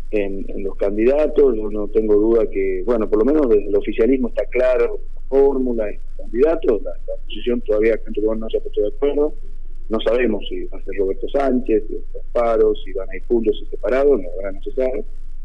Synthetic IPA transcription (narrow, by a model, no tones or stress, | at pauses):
enḛnlo̞skand̪iðat̪osʒo̞no̞t̪eŋɡo̞ð̞uðakeβwe̞nopoɾlo̞menozðeɦðelo̞fisjalizmoest̪aklaɾoet̪afoɾmulaetokand̪iðat̪olalaoposisjo̞nt̪oðaβ̞iakant̪ukonosapwe̥t̪oðjakweɾð̞o | no̞saβemosiβaseɾro̞βɛɾt̪o̞sant͡ʃesḛt̪ospaɾo̞siβanaiɾpunt̪osesepaɾað̞oloaβɾanosesaɾe